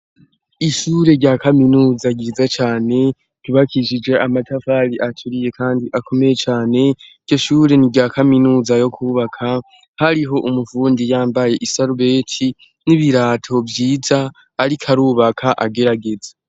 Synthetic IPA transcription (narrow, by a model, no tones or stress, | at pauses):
iʃuːɾe̞ɾɟakaminuːzaɟiːzat͡ʃaːne̞ | kiβakʰiʃid͡ʒe̞amatafaɾiʔat͡ʃuɾije̞kʰaːndiʔakʰo̞me̞je̞t͡ʃaːne̞iɟo̞ʃuːɾe̞niɾɟaːkaminuːzajo̞kʰuːβakʰa | haɾiɦo̞ʔumufuːndijaːmbaje̞ʔisaɾuβeːtʰi | niβiɾaːtʰo̞vjiːzaː | ɾikʰaɾuːβakʰaʔaɡe̞ɾaɡe̞za